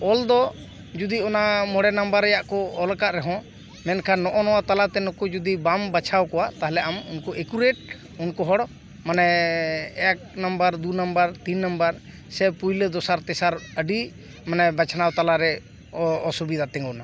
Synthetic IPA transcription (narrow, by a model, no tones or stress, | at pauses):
ɔld̪ɔ | d͡ʒud̪iɔnamɔɽɛnambəɾːɛjaʔkɔɔlkaʔɾɛɦɔ̃ | mɛnkʰanːɔʔɔnɔwat̪alat̪ɛnɔkud͡ʒud̪ibambat͡ʃʰawkɔwat̪aɦlɛʔamunkɔekuɾeʈ̚ | unkɔɦɔɽɔ | manɛ | ɛk̚nambəɾd̪unambəɾt̪inːambəɾ | sɛpujləd̪ɔsaɾt̪ɛsaɾəɖi | manɛbat͡ʃʰanawt̪alaɾɛ | ɔsubid̪at̪ɛ̃ŋɡɔna